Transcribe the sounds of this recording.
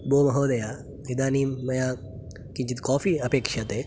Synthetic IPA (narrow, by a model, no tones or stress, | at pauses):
boːmɐɦoːd̪ɐja | ɦid̪aːniːɐjaː | kiɲt͡ʃit̪kɔːfiɐpeːkʃɐt̪eː